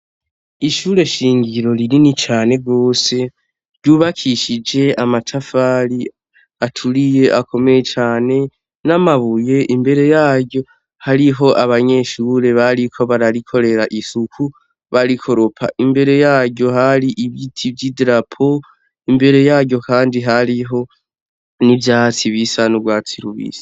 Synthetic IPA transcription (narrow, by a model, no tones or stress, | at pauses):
iʃuɾe̞ʃiːŋɡiɾo̞ɾiɾinit͡ʃaːne̞ɡo̞ːse̞ | ɾɟuːβakʰiʃid͡ʒe̞amatʰafaɾi | atʰuɾije̞ʔako̞me̞jet͡ʃaːne̞ | namaβuje̞ʔimbe̞ɾe̞jaːɟo̞ | haɾiɦo̞ʔaβaɲe̞ʃuɾe̞βaɾikʰo̞βaɾaɾikʰo̞ɾe̞ɾaʔisukʰu | βaɾikʰo̞ɾo̞pʰa̰ʔimbe̞ɾe̞jaːɟo̞ɦaɾiʔiβitʰivɟidiɾapʰo̞ | imbe̞ɾe̞jaːɟo̞kʰaːndiɦaɾiɦo̞ | nivjaːt͡siβisanuɡwaːt͡siɾṵβḭsḁ